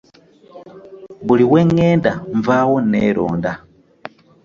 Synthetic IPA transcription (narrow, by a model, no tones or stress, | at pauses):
mbuliwɛŋɛndaɱvawɔnɛɾɔ̰ːnda